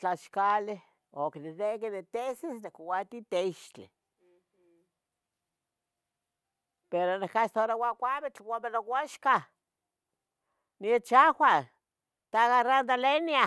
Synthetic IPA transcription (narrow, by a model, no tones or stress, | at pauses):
t͡ɬaʃkale | oknenekenet̪esisnekowat̪it̪eiʃt͡ɬḭ | peɾonehkast̪oɾawʷakʷaβet͡ɬwamenowʷaʃka | niet͡ʃawʷa | t̪aɣarand̪alenia